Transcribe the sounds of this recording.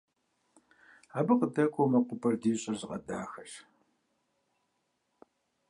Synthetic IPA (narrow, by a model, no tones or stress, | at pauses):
aːbɨqədɐkʷʰowmɐqʷʊpʰʼɐrdiːɕʼɐrzɪqʼɐdaːxɐɕ